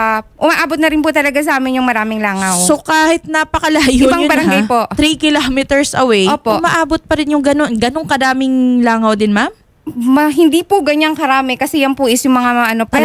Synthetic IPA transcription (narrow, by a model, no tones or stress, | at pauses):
ʔʊmaʔaːbot̪̚nɐɾɪnpʊt̪ɐlɐɡas̬ɐʔaːmɪnjʊŋmɐɾaːmɪŋlaːŋɐwso̞kaːhɪt̪̚napɐkɐlaːjobaŋbɐɾɐŋɡajpoʔt̪ɾikɪlamɛt̪ɛɹsʔɐwɛjʔoːpomɐʔaːbot̪̚pɐɾɪnjʊŋɡɐno̞nɡɐnoŋkɐd̪aːmɪŋlaːŋɐwd̪ɪnmam | mɐɦɪnd̪ipʊɡɐɲaŋkɐɾaːmɛkɐsɛjɐnpʊʔɪsjʊŋmɐŋamɐʔɐnopɐ